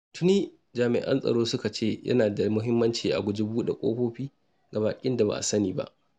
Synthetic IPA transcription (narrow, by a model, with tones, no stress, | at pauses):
tʊ˦niː˦ | d͡ʒaː˨mɪ̰˨ʔɐ̰˦nsʼɐ̰˨ɽoː˦sʊ˦ka˨t͡ʃeː˦˨jʔɐ̰˦naː˨da˨mʊ˦ɦɪ˦mːɐ˦nt͡ʃiː˨ʔa̰˨ɡʷʊ˦d͡ʒi˦buː˦ɗḛ˨kʷʼo̰ː˦kʷoː˦ɸiː˦ | ɡa˨baː˨kʲʼɪ˦nda˨ba̰˨ʔa̰˨sɐ˦niː˨ba̰˦ʔ